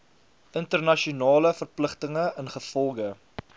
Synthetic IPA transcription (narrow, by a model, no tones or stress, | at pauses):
əntərnɐʃiunɑːləfərpləχtəŋəənχəfɔlˠɡə